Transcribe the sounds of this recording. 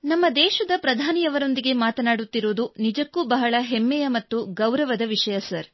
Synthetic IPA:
nɐmːɐd̪ɛːʃɐd̪ɐpɾɐd̪ʱaːnijɐʋɐɾo̞nd̪iɡe̞maːt̪ɐnaːɽut̪ːiɾoːd̪unid͡ʒɐkːubɐɦɐɭɐɦemːɛjɐmɐt̪ːuɡɐwɾɐʋɐd̪ɐʋiʃɐjɐsɐɾ

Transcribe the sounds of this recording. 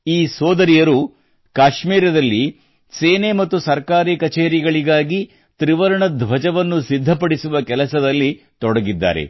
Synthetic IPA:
iːsɔːd̪ɐɾijɐɾu | kaːʃmiːɾɐd̪ɐlːi | seːnemɐt̪ːusɐɾkaːɾikɐt͡ʃeːɾiɡɐɭiɡaːɡi | t̪ɾiʋɐɾɐɳɐd̪ʱʋʱɐd͡ʒɐʋɐnːusid̪ʱːɐpɐɽisuʋɐkɛlɐsɐd̪ɐlːi | t̪ɔɽɐɡid̪ːa̰ːɾe̞̰

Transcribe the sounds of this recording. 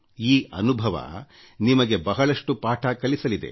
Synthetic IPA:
iːɐ̰nubʱɐʋɐ̰ | nimɐɡe̞bɐɦɐɭɐʂʈupaːʈʰɐkɐlisɐlid̪e̞̰

